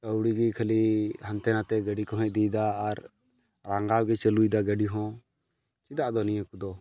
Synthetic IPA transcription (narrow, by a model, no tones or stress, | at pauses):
əwɽiɡikʰəlihant̪ɛnat̪ɛɡəɖikɔɦɛʔ̚ˀd̪ijd̪aːɾ | ɾãŋɡawɡɛt͡ʃəlujd̪aɡəɖiɦɔ̃ | t͡ʃid̪aʔd̪ɔnijə̃kud̪ɔ